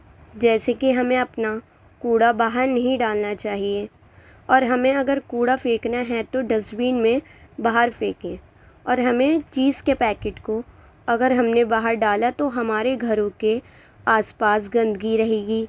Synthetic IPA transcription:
d͡ʒɛːsekiɦɐmẽɐpna | kuːɽabaːɦəɾnɐɦĩɖaːlnat͡ʃaːɦie | ɔːɾɦɐmẽɐɡəɾkuːɽafeːknaɦɛt̪oɖɐsbiːnmẽbaːɦəɾfeːkẽː | ɔːɾɦɐmẽt͡ʃiːzkepɛːkɪʈko | ɐɡəɾɦɐmnebaːɦəɾɖaːlat̪oɦɐmaːɾeɡʱɐɾõke | aːspaːsɡɐ̃nd̪ɡiɾɐɦeːɡiː

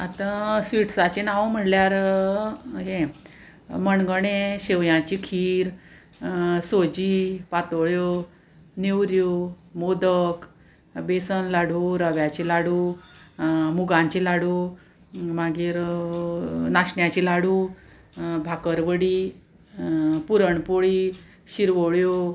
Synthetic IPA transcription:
at̪ãsʋiʈsat͡ɕenaʋm̤əʈljaɾ | ɦẽ | məɳɡəɽẽɕeʋjãt͡ɕikʰiːɾ | sod͡ʑiːpat̪ɭjo | newɾjo | mod̪ək | besənlaɽuːɾəʋjat͡ɕilaɽu | muɡãɲt͡ɕilaɽuː | maɡiːɾ | naɕɳjat͡ɕilaɽuː | bʱakəɾʋəɽiː | puɾəɳpoɭiː | ɕiɾʋoɭjo

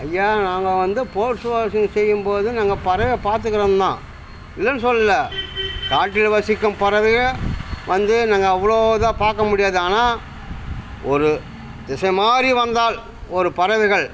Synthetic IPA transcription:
ɐjːaːnaːŋɡɐʋɐnd̪ɯpoːɾsɯʋaːsɪŋsɛjːɯmpoːðɯnaːŋɡɐpɐɾɐʋepaːɾt̪ɯkːɪɾɐnt̪ãː | ɪlːɐnɯsɔlːɪlːɐkaːʈːɪlʋɐsɪkːɯmpɐɾɐʋɪɣɐɭʋɐnd̪ɯnaːŋɡɐːʋːɐɭoːðãːpaːɾkɐmʊɽɪjaːðɯaːnaː | ɔɾɯ | d̪ɪsɐmaːɾiʋɐnd̪aːl | ɔɾɯpɐɾɐʋɪɣɐɭ

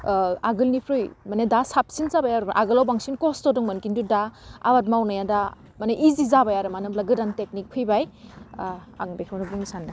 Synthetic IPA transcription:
aɡɯlnipʰɾɯjmanedasap̚sinzabajaɾɯmʔaɡɯlawbaŋsinkɔstɔduŋmɯnkindudaa̰wat̚mawnajanda | maneʔizizabajaɾɯmanɯmlaɡɯdantek̚nik̚pʰɯjbaj | a̰ŋbekʰɯwnɯbuŋsanːa

